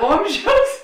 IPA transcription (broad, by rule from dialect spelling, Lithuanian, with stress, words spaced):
ˈoːmʲˌʒʲɛʊs